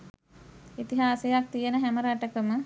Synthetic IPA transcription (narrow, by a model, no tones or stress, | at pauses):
it̪iɦaːsejak̚t̪ijənəɦæməɾaʈəkəmə